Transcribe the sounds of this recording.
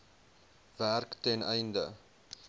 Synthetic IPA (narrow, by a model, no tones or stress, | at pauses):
værktɛnɛjndə